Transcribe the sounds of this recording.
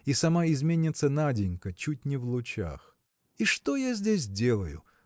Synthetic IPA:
isɐmaɪzmʲenʲɪt̪sənadʲɪnʲkət͡ɕut̚ʲnʲɪvlˠʊt͡ɕa̰x | iʂt̪o̞jazʲdʲes̬ʲdʲe̞lˠəjʊ̰

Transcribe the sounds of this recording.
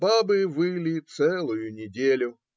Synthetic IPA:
babɨvɨlʲit̪sɛlˠʊjʊnʲɪdʲelʲʊ

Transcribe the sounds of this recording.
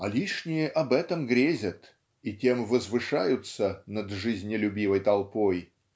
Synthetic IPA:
ɐlʲiʂnʲɪjəʔɐbɛt̪əmɡɾʲezʲət̪ | itʲe̞mvəzvɨʂajʊt̪sənəd̪ʐɨzʲnʲɪlʲʊbʲivəjt̪ɐlˠpoj

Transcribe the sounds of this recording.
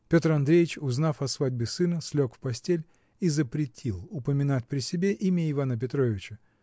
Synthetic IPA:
pʲot̪rɐnd̪ɾʲejɪt͡ɕʊznafɐsvadʲbʲɪsɨnəsʲlʲo̞kfpɐsʲtʲelʲ | izəpɾʲɪtʲʰilˠʊpəmʲɪnat̚ʲpɾʲɪsʲɪbʲeʔimʲəɪvanəpʲɪt̪ɾo̞vʲɪt͡ɕə

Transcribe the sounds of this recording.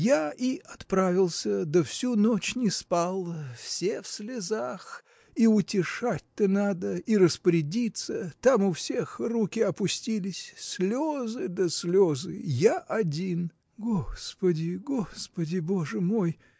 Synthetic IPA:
jaiɐt̪pɾavʲɪlˠsʲəd̪əfsʲunot͡ɕnʲɪspalˠəfsʲefsʲlʲɪzax | iʊtʲɪʂat̚ʲt̪ənad̪əiɾəspəɾʲɪdʲit̪sət̪amʊfsʲe̞xrukʲɪɐpʊsʲtʲilʲɪsʲsʲlʲozɨd̪əsʲlʲozɨ̰jaʔɐdʲin | ɡospədʲɪɡo̞spədʲɪboʐɨmo̞j

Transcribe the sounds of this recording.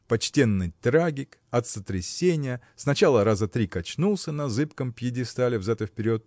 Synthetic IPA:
pɐt͡ɕtʲe̞nːɨjt̪ɾaɡʲɪkɐt̪sət̪ɾʲɪsʲenʲɪjə | snɐt͡ɕalˠəɾazət̪ɾʲikɐt͡ɕnulˠsʲənɐzɨpkəmpʲjɪdʲɪst̪alʲɪvzat̪əfpʲɪɾʲo̞t̪̚

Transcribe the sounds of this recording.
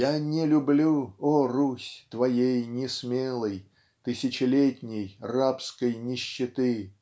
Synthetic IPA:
janʲɪlʲʊblʲuorusʲt̪vɐjejnʲɪsmʲelˠəj | t̪ɨsʲɪt͡ɕɪlʲetʲnʲɪjrapskəjnʲɪɕːɪt̪ɨ

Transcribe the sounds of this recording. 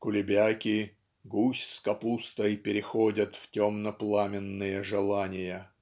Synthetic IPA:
kʊlʲɪbʲakʲɪ | ɡusʲskɐpust̪əjpʲɪɾʲɪxodʲət̪ftʲomnəplˠamʲɪnːɨjəʐɨlˠanʲɪjə

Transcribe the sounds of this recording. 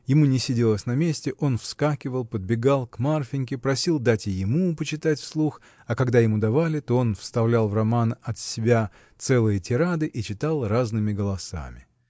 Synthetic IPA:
jɪmunʲɪsʲɪdʲelˠəsʲnɐmʲesʲtʲɪʔo̞nfskakʲɪvəlˠpəd̪̚bʲɪɡalˠkmarfʲɪnʲkʲɪpɾɐsʲilˠd̪atʲɪjɪmupət͡ɕɪt̪atʲfslˠux | ɐkɐɡd̪ajɪmud̪ɐvalʲɪt̪o̞o̞nfst̪ɐvlʲalˠvrɐmanɐt̪sʲɪbʲa | t̪sɛlˠɨjətʲɪɾad̪ɨʔit͡ɕɪt̪ɑlˠraznɨmʲɪɡəlˠɐsa̰mʲɪ

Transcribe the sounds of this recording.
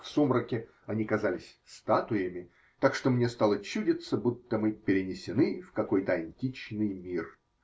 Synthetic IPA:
fsomɾəkʲɪ | ɐnʲikɐzalʲɪsʲst̪at̪ʊjəmʲɪ | t̪akʂt̪o̞mnʲest̪alˠət͡ɕudʲɪt̪səbut̪ːəmɨpʲɪɾʲɪnʲɪsʲɪnɨfkɐko̞jt̪əɐnʲtʲit͡ɕnɨjmʲir

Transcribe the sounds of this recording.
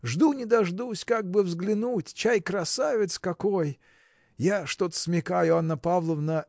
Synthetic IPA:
ʐd̪unʲɪd̪ɐʐd̪usʲkaɡ̚bɨvzɡlʲɪnutʲt͡ɕajkɾɐsavʲɪt̪skɐko̞j | jaʂt̪o̞t̪ə̥smʲɪkajʊanːəpavlˠəvnə

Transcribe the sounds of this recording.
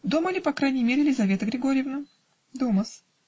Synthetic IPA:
d̪o̞mɐlʲipɐkɾajnʲɪjmʲeɾʲɪlʲɪzɐvʲe̞t̪əɡɾʲɪɡoɾʲɪjɪvnə | d̪oməs

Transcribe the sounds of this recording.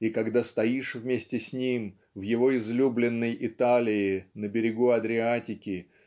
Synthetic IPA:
ikɐɡd̪ast̪ɐjiʂvmʲesʲtʲɪsʲnʲim | vjɪvo̞ɪzlʲublʲɪnːəjʔɪt̪alʲɪɪnəbʲɪɾʲɪɡuɐd̪ɾʲɪatʲɪkʲɪ

